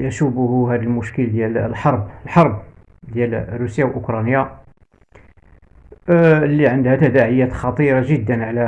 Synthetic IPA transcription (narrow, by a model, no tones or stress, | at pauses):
jəʃubʊhʊɦæd̪əlmʊʃkəld̪jæləlħɑɾˤbəlħɑɾˤb̚ | d̪jælrusjawʔʊkɾˤɑnja | lːiʕənd̪hæt̪æd̪æʕəjːæt̪xɑt̪ˤiɾˤɑʒəd̪ːənʕlæ